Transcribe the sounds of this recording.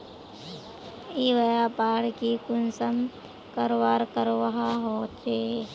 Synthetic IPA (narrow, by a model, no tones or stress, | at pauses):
iʋəjapaːɽkikʊnsəm | kəɾwaːɾkəɾowəɦaɦot͡ʃeː